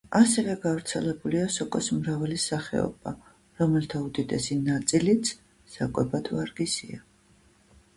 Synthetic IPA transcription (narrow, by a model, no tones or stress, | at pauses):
asɛvɛɡavɾt̪sʰɛlɛbuliasɔkʼɔsmɾavalisaχɛ̰ɔ̰ba | ɾɔmɛlt̪ʰaud̪id̪ɛsinat̪sʼilit̪sʰ | z̥akʼwɛbad̪vaɾɡisḭa